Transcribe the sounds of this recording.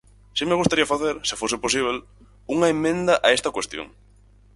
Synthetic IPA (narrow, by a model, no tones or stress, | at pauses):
ʃimeɣust̪aɾiɐfaθeɾsɪfosɪposiβ̞el | uŋɐemːẽnd̪ɐʔaest̪ɐkwest̪jo̰ŋ